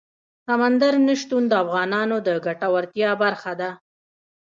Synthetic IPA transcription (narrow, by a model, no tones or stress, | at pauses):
samand̪aɾnəʃt̪und̪əafɣɑnɑnod̪əɡaʈawaɾt̪jɑbaɾxad̪a